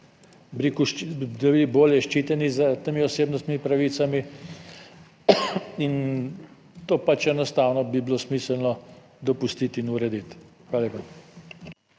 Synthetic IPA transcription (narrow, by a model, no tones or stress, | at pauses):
bɾikuʃd̪ɐbiboːljɛʃt͡ʃiːt̪ɛnizɐt̪emiɔseːbnɔst̪nʲimipɾaʋiːt̪sami | in | t̪oːpat͡ʃɛnɔst̪aːwnɔbiblosmiːsəlnɔ | d̪ɔpust̪it̪inuɾɛd̪it̪ | xʋalepɔ